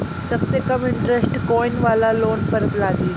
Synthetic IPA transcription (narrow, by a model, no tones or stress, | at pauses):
səɡsekəmiɳʈɾesʈkɔjnʋalalonpəɾət̪laɡiːl